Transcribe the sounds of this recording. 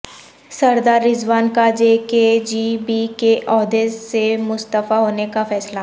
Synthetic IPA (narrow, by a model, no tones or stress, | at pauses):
sɐɾd̪aːɾːɪzwaːnkad͡ʒeːked͡ʒibikeʔɔːɦd̪esemʊst̪əfaɦoːnekafɛːsla